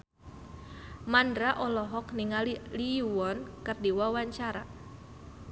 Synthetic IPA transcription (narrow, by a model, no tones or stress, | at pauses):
mandɾaʔɔlɔɦɔkniŋalliuwɔnkɨrdiwawaɲt͡ʃaɾa